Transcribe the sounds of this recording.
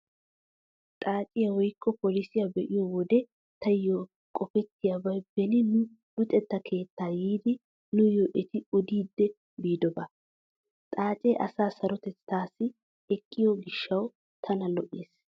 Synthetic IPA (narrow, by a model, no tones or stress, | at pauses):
t̪ʼaːt͡ʃʼɪjɐwɔjkːɔpolɪsɪjɐbɛʔɪjɔwɔd̪ɛ | t̪ʰɐjo | kʼɔfɛt̪ːɪjabɐjb̥ɛnɪnʊ | bʊt̪ʼɛt̪ːɐkʰe̞ːt̪ːaːjiːd̪ɪ | nʊjoʔɛt̪ɪɔd̪iːd̪ːɛ | biːd̪ɔbɐ | t̪ʼaːt͡ʃʼɛʔɐsaːsɐɾɔt̪ɛt͡st̪ːaːsɪ | ɛkʼːɪjɔɡɪʃːɐw | t̪ʰɐnɐlɔʔeːs